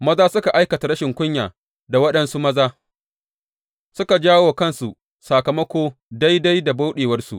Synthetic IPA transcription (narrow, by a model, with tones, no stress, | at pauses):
mɐ˦zaː˦sʊ˦ka˨ʔa˦jkɐ˨ta˨ɾɐ˦ʃɪ˨ŋkʷʊ˦ɲjaː˨ | da˨wɐ˦ɗɐ˦nsu˦mɐ˦zaː˦ | sʊ˦ka˨d͡ʒaː˦woː˨kɐ˦˨nsu˨ | saː˨kɐ˨mɐ˦kʷoː˦da˦jda˦jda˨ba˦wɗeː˨wɐ˦rsṵ˨ʔ